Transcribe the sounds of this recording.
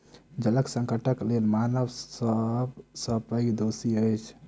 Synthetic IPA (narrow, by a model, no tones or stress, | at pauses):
d͡ʒələksə̃ŋkəʈəklelmanəʋsəbsəpəjd̪osiəjt͡ʃʰ